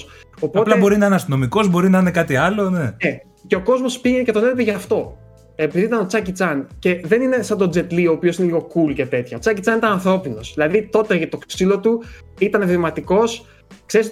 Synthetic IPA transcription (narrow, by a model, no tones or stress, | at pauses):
s | o̞potlɐebo̞ɾinɐineɐst̪ino̞miko̞zbo̞ɾinɐine̞kɐt̪iɐlo̞nee | ce̞o̞ko̞zmo̞spiʝenecet̪o̞ne̞lepeʝɐft̪o̞ | epiðiit̪ɐno̞t͡sɐcit͡sɐnce̞ðe̞nine̞sɐnd̪o̞d͡ze̞t̪lio̞ːpio̞sineliɣo̞kulce̞t̪e̞t̪çɐo̞t͡sɐcit͡sɐnit̪ɐnɐnθɾo̞pino̞sðilɐðit̪o̞t̪e̞ʝɐt̪oksilo̞t̪u | it̪ɐnevimɐt̪iko̞s | kse̞ɾis